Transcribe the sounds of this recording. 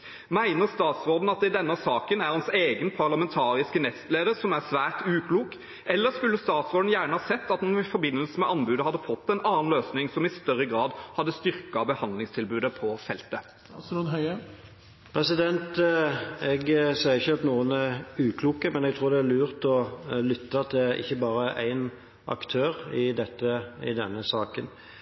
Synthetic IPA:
mæɪnəʁst̪ɑːt̪sʁoːd̪n̩ɑt̪̚d̪ɛd̪ɛnːəsɑːkənæɾʁhɑnseːɡənpʰɑʁlɑmɛnt̪ʰɑːɾɪskənɛst̪leːd̪əʁsɔmæʁsʋæːʁt̪ʉːkʰluːk | ʔɛlːəskʉlːəst̪ɑːt̪sʁoːd̪n̩jæːɳəhɑːsɛt̪ːɑt̪nɪfɔbɪnːəlsəmɛʔɑnbʉːd̪əhɑd̪ːəfɔt̪ːɛɪnɑːnløːsnɪŋsɔmɪst̪œʁːəɡʁɑːd̪hɑd̪ːəst̪ʏʁkɑbəhɑnd̪lɪŋst̪ʰɪlbʉːd̪əpʰɔfɛlt̪ə | unɦœɪə | pʰɾɛsɪd̪ɛnt̪ | ɛɡsɛɪɾɪçːəɑt̪nuːənæɾʉːkʰluːkəmɛnɛɡt̪ʰɾuːɾd̪ɛælʉːɾt̪ɔlʏt̪ːɑt̪ʰɪʔɪ̰çːəbɑːɾəʔæɪn | ʔɑ̰kt̪ʰøːɾɪd̪ɛt̪ːəɪ̰d̪ɛnːəsɑːkən

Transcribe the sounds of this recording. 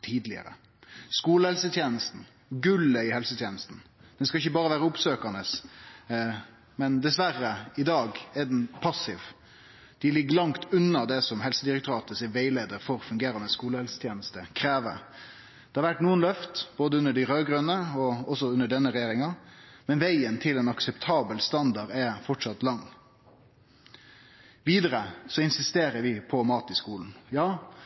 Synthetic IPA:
t̪ʰiːd̪lɪ̰ə̰ɾə̰ | skuːləhɛlsət̪ʰjeːnəst̪n̩ | ɡʉləɪhɛlsət̪ʰjeːnəst̪n̩d̪̥ɛnskɑɪçːəbɑːɾəʋæːɾəʊpsøːkənəs | mɛnd̪ɛsʋæɾːəɪd̪ɑːɡɛɖɛnpʰɑsɪʋ | d̪̥ɪlɪɡːəlɑŋt̪ʉnːɑd̪ɛsɔmɦɛlsəd̪ɪɾɛkt̪ʉɾɑːt̪əsɛʋeɪleːd̪əɾfɔɾfʉŋɡeːɾɑnəskuːləhɛlsə̥t̪ʰjeːnəst̪əkʰɾeːʋə̰ | d̪̥ɛːhɑɾʋæʈːnuːənlœft̪b̥oːd̪əʉnːəɖɪɾøːɡɾʉnəɔɔsɔʉnəɖɛnːəɾɛjeːɾɪŋɑmɛnʋæɪənt̪ʰɪlɛnɑksɛpt̪ʰɑːbəlst̪ɑnd̪ɑɾɛfɔʈʂɑt̪lɑŋː | ʋiːd̪əɾəsɔɪnsɪst̪eːɾəɾʋɪpʰɔmɑːt̪ɪskuːln̩jɑː

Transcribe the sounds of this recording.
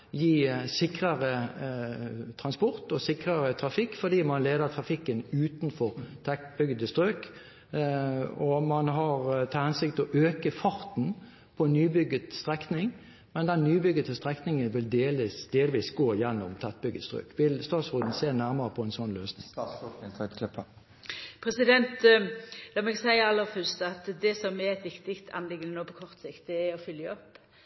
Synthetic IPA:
jiːsɪkʁəʁə | t̪ʰʁɑnspɔʁt̪ɔsɪkʁəʁət̪ʰɾɑfɪkːfɔd̪iːmɑnleːd̪əʁt̪ʰʁɑfɪkːənʉːt̪nfɔʁt̪ʰɛt̪bʏɡəd̪əst̪ʁøːk | ɔmɑnɦɑʁt̪ʰɑhɛnsɪk̚t̪ɔʔøːkəfɑɾt̪n̩ | pʰɔnyːbʏɡət̪st̪ʁɛknɪŋ | mɛnd̪ɛnːyːbʏɡət̪st̪ʁɛknɪŋənʋɪld̪eːlsd̪̥eːlʋiːsɡoːɪjɛnːɔmt̪ʰɛt̪̚bʏɡət̪st̪ʁʏ̰ːkʋɪlst̪ɑːt̪sʁʉːd̪n̩seːnæʁməʁəpʰɔɛnsɔnløːsnɪŋʰ | ɛt̪kʰlɪp | pʰɾɛsɪd̪ɛnt̪lɑːmɛɡsæɪəɾɑlːəɾfœɾst̪ɑt̪d̪ɛsɔmɛɾɛt̪ʋɪkt̪ɪkt̪ʰɑ̰nlɪɡənənoːpʰɔkʰɔʁt̪sɪkt̪̚d̪ɛːɾɔfʏljəɔpː

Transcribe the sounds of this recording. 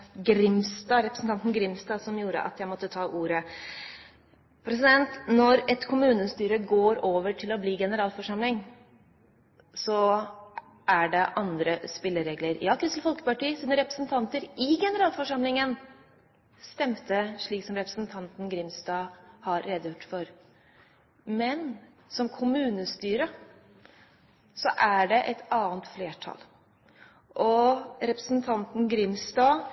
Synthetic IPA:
ɡɾɪmst̪ɑːɾɛpɾəsn̩t̪ɑnt̪n̩ɡɾɪmst̪ɑːsɔmjuːɾə̰ʔɑ̰t̪jæɪmɔt̪ːət̪ʰɑːʔuːɾə | pʰɾɛs̬ɪd̪ɛnt̪nɔɾɛt̪kʰʊmʉːnəst̪yːɾəɡoːɾoːʋəʈʰɪlɔbliːɡɛnəɾɑːlfɔʂɑmlɪŋ | sɔ | ʔæɖɛʔɑnd̪ɾəspɪlːəɾeːɡləɾjɑːkʰɾʉsl̩fɔlkə̥pɑʈiːsiːd̪əɾɛpɾə̥snt̪ʰɑnt̪əɾɪɡɛnəɾɑːlfɔʂɑmlɪŋən | st̪ɛmt̪ʰəʂɭiːksɔmɾɛpɾəsn̩t̪ʰɑnt̪n̩ɡɾɪmsd̪ɑːhɑɾːɛd̪əjʊʈːfɔɾ | mɛn | sɔmkʰʊmʉːnəst̪yːɾə | sɔʔæɖɛʔɛt̪ʰɑːənt̪fleːʈʰɑ̰l | ʔɔɾɛpɾəsnt̪ʰɑnt̪n̩ɡɾɪmsd̪ɑː

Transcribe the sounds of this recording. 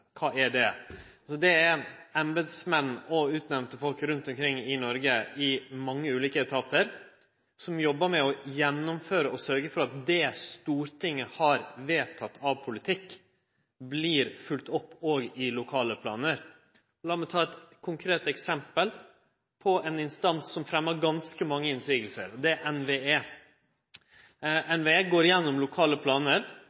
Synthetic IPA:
kʰɑːɛɖɛɑsɔd̪ɛæɾæmbəd̪smɛnːɔʉːt̪nɛmnt̪əfɔlkɾʉnt̪ɔmkʰɾɪŋːɪnɔɾɡəɪmɑŋːəʉːliːkət̪ʰɑːt̪ʰəɾ | sɔmjɔbːəmɛɔjɛnːʊmføːɾəɔsœɾɡəfɔɾɑt̪̚d̪ɛst̪uːɾʈ̪ʰɪŋːəhɑɾʋeːt̪ʰɑt̪ːɑʋpʰʊlɪt̪ʰɪkː | bliːɾfʉlt̪ɔpːoːɡɪlʊkʰɑːləpʰlɑ̰ːnəɾ | lɑːmɛt̪ʰɑːɛt̪kʰʊŋkʰɾeːt̪ɛksɛmpəl | pʰɔɛnɪnst̪ɑnsːɔmfɾɛmːəɾɡɑnskəmɑŋːəɪnsiːɡəlsə̰ɾɔd̪ɛʔɛnʋeːeː | ʔɛnʋeːeːɡoːɾjɛnːɔmlʊkʰɑːləpʰlɑːnəɾ

